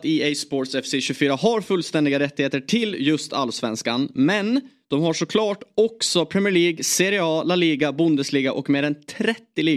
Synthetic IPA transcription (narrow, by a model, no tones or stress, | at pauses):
t̪iɛsboːʈsɛfsɪɕɵfyːɾaɦaɾfɵlst̪ɛnd̪ɪɡaɾɛt̪ːɪheːt̪əʈʰɪljɵst̪ʰa̰lsvɛ̰nskanmɛnd̪̥ɔmhaʂɔkʰlɑːʈɔksɔpʰɾɛmɪəɭiːɡseɾɪɑːlaliːɡabʊnd̪əsliːɡaʔɔkmeːɾɛnt̪ʰɾɛt̪ːɪliː